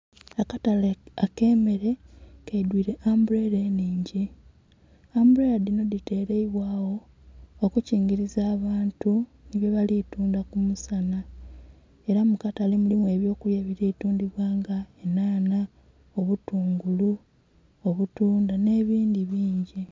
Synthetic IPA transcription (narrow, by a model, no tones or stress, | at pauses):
akataleake̞ːme̞ɾe̞keidwiːɾe̞ʔambuɾeɾe̞ːniːɲɟi | ambuɾe̞ɾadino̞ðite̞ːɾeiβwaːwo̞ | okuciːŋɡiɾizaːβaːntuniβjeβalituːndakumusana | e̞ɾamukatalemulimwe̞ːβjo̞ːkujeβiɾeituːndiβwaːŋɡaenaːna | oβutuːŋɡulu | oβutuːndane̞ːβiːndiβiːɲɟi